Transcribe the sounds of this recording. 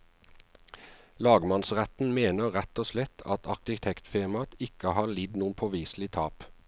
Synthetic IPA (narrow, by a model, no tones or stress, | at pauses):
lɑːɡmɑnsʁɛt̪n̩meːnəʁɛt̪oːslɛt̪ʰɑ̰t̪ʰɑʁkɪt̪ʰɛkt̪feːmɑt̪ʰɪkəhɑːlɪd̪nuːənpʰoːʋiːslɪt̪ʰɑːp